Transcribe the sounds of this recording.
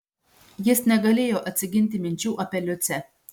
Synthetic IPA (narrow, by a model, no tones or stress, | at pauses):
jɪsnʲɛɡɐlʲeːjoːʔɐt̪ʲsʲɪɡʲɪnʲt̪ʲɪmʲɪnʲt͡ʃʲuːʔɐpʲɛlʲʊt̪sʲɛ